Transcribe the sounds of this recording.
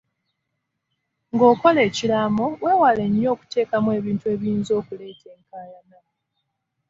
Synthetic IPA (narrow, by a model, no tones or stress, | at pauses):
ŋɡo̞ːko̞le̞ːcilamowe̞ːwale̞ɲːo̞ːku̥te̞ːkamwe̞ːβiːntue̞ːβjiːnzo̞ːkule̞ːtʰe̞ːŋkalana